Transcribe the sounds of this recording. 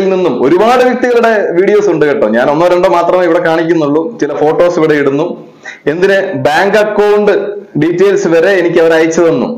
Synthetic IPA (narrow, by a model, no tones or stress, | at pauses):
ilninːumo̞ɾubaːɽɨʋjɐk̚t̪iɣɐɭuɽe̞ʋiːɽijoːsuɳɖɨkeʈːɐ̰mɲaːnonːɐːɾɐɳɖomaːt̪rɐmeiʋiɽe̞kaːɳikʲːunːuɭːut͡ɕilɐfo̞ːʈːo̞ːsiʋiɽe̞iɽunːu | e̞nd̪inɨbaːŋɡɐkːɐwɳɖɨɖitːeːlsɨʋɐɾe̞ːnikʲːɐʋɐɾaːjit͡ɕːɐðenːṵ